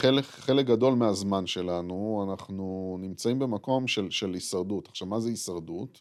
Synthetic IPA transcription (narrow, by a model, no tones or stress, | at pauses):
χelekχe̞lek̚ɡado̞lmeazmanʃe̞lanuanaχnunimt͡saimbe̞mako̞mʃe̞lʃelisaʁdutaχʃavmazeisaʁdut